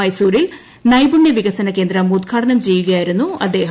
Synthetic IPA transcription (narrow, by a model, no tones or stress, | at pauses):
ɐjsuːɾil | nɐjbuɳjɐʋiɣɐsɐnɐke̞ːnd̪ɾɐmud̪kʰaːʈɐnɐmt͡ɕe̞jːuɣɐjaːjiɾunːuɐd̪ːe̞ːɦ